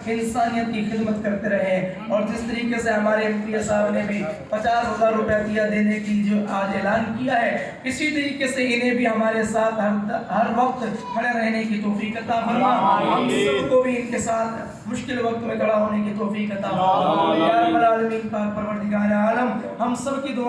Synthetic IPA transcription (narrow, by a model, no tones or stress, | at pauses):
ɪnɪst̪aːnijət̪̚kixɪd̪mət̪kɐɾt̪eɾɐɦeɦɛ̃ | ɔːɾd͡ʒɪst̪ɐɾiːkeseɦɐmaːɾeɐ̃nt̪iɐsaːbnẽbʱipɐt͡ʃaːsɦɐzaːɾɾʊpjat̪ijad̪eːneked͡ʒoːʔaːd̪eːlaːnkijaɦɛː | ɪsit̪ɐɾiːqeseɪnɦẽbʱiɦɐmaːɾesaːt̪ʰɦɐɾɦɐɾʋɐqt̪kʰɐɽeɾɛɦnekit̪ɔːfiːkɐt̪abɐjaɦɐmsɐbkobʱiɪnkesaːt̪ʰ | mʊʃkɪlʋɐk̚t̪mẽɡɐɽ̤aɦoːnekit̪ɔːfiːqɐt̪aboaaɐmɾaːlmiːnpaːɾpɐɾʋəɾt̪ɪɡaːɾaːləmɦɐmsɐbkid̪oː